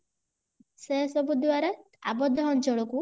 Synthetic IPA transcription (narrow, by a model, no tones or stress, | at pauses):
sesɔbud̪waɾa | a̰bɔd̪ʱːɔɦɔnt͡ʃɔɭɔku